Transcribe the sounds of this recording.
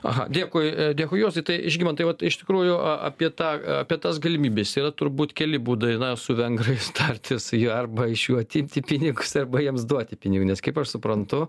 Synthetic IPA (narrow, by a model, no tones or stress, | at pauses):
ɐ̰ɦɐ̰d̪ʲeːkoːjd̪ʲeːkoːjoːst̪ɐɪt̪ɐɪʔɪʒʲɡʲimɐnt̪ɐɪʋɐt̪ɪʃʲt̪ʲɪkɾuːjʊʔɐʔɐ̰pʲiɛt̪ɑːɐpʲiɛt̪ɐsɡɐlʲɪmʲiːbʲesiːrɐt̪ʊɾbuːt̪kʲɛlʲɪbuːd̪ɐɪnɐsʊʋʲɛŋɡrɐɪst̪ɐrʲt̪ʲɪsjuɐrbɐɪʃjuːɐt̪ʲɪmʲt̪ʲɪpʲɪnʲɪɡʊsɐrbɐjiɛmsd̪uɔt̪ʲɪpʲɪnʲɪɡunʲɛskɐɪpɐʃsʊpɾɐnt̪ʊ